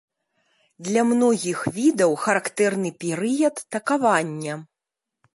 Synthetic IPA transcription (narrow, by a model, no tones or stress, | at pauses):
d̪lʲɐmnɔɣʲixvʲid̪ɐwxɐɾakt̪ɛrnɨpʲɛɾɨjɐt̪ːɐkavanʲːɐ